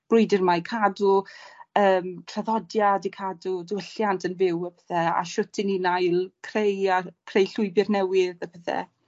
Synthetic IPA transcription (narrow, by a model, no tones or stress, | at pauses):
b̥rʊjdɪrmajkʰadu | əːmtʰr̥aðɔdjadikʰadudəwəɬjantʰənvɪwəpʰəθɛa̰ʃʊtʰɪninajlˠkʰrejakʰrejɬʊɨbɪrnɛwɪðəpʰəθɛ̰